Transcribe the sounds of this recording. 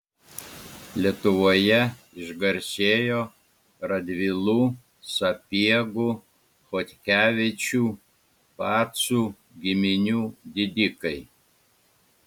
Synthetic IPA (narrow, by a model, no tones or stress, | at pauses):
lʲiɛt̪ʊʋoːjɛ | ɪʒɡɐɾʲsʲeːjoː | ɾɐd̪ʲʋʲɪlˠuː | sɐpʲiɛɡʊ | xɔt̪ʲkʲæːʋʲɪt͡ʃʲuː | pɑːt̪suː | ɡʲɪmʲɪnʲuːd̪ʲɪd̪ʲɪkɐɪ